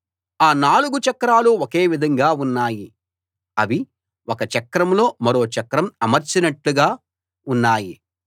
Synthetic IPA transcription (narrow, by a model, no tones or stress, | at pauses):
aːnaːluɡut͡ʃɐkɾaːluoke̞ːʋid̪ʱɐŋɡaːunːaːji | ɐʋi | wokɐt͡ʃɐkɾɐmlo̞ːmɐɾo̞ːt͡ʃɐkɾɐmɐmɐɾt͡ʃinɐʈluɡaː | unːaːji